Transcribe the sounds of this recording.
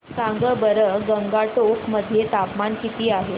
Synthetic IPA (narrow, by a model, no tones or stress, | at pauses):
sãŋɡəbəɾəɡəŋɡaʈokʰməd̪ʱːjet̪apmankit̪iːaɦe